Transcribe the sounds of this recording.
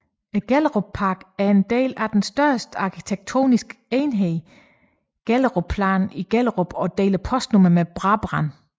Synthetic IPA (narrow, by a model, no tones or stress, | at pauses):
eɡ̥elʁopʰɑ̈ːɡ̥æɐe̝nd̥e̝̰ːlæd̥ensd̥ɶɐsd̥əɑ̈kʰi̥t͡sʰeɡ̥̚t͡sʰo̝̰ːnisɡ̥eːnɦeː | ɡ̥elʁopʰlɑ̰ːniɡ̥el̰əʁob̥ɒ̽d̥e̝̰ːlɐpʰɒ̽sd̥nomɐmeb̥ʁɑ̈b̥ʁɑn